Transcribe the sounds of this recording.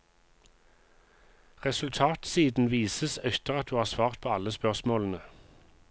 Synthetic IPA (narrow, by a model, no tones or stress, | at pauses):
ʁɛsʉlt̪ʰɑːt̪siːd̪n̩ʋiːsəsœçt̪əʁɑt̪̚d̪ʉːhɑːʁsʋɑːʁt̪̚pʰoːɑləspœʁsmoːlən̩ə